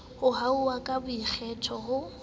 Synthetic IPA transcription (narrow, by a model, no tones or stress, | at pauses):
hʊɦauwakʼabʊik͡xʰɛtʰɔɦʊ